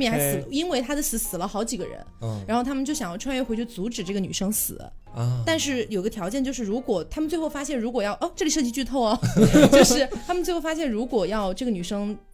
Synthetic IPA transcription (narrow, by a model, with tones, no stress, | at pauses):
mɛ˥˩xa˧˥s̩˨˩lə˦˧i˥nwe˥˩ɪt̪ʰa˥d̪ə˨sɹ̩˧˥sɹ̩˨˩lə˦xɑ˧˥ʊt͡ɕi˨˩ɡə̰˦˥ɻə̰˧˥nɻa˧˥xo˥˩ʊt̪ʰmə˨t͡ɕjo˥˩ʊɕɑ˨˩ŋjɑ˥˩ʈ͡ʂʰwa˥jɥɛ˥˩xe˧˥t͡ɕʰʊt͡su˧˥ʈ͡ʂɻ̩˨˩ʈ͡ʂɤ˥˩ɡə˩ny̰˨˩ʂɤ˥ŋsɹ̩̰˨˩lə̰˦ | t̪a˥˧nʂɻ̩˥˩jo˨˩i˥ɡə˧t̪ʰjɑ˧˥ʊt͡ɕjɛ˥˧t͡ɕo˥˧ʊʂ̬ɻ̩˥˩ɻu˧˥kwɔ˨˩t̪ʰa˥mə˨nt͡swe˥˧ɪxo˥˧ʊfa˥ɕjɛ˥˩nɻu˧˥kwɔ˨˩jɑ˥˧ʊʔo˥˧ʈ͡ʂɤ˥˩li˨˥ʂɤ˥˧t͡ɕi˥t͡ɕy˥˧t̪ʰo˥˩ʊɐ˩˥t͡ɕo˥˧ʊʂɻ̩˥˩t̪ʰa˥mə˨nt͡swe˥˧ɪxo˥˩ʊfa˥ɕ̬jɛ˥˩nɻu˧˥kwɔ˨˩jɑ˥˧ʊʈ͡ʂɤ˥˩ɡəny˨˩ʂɤ˥ŋ